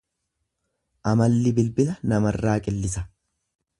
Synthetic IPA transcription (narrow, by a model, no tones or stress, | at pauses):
ʔɐmɐlːɪbɪlbɪlɐnɐmɐrːaːkʼɪlːɪsɐ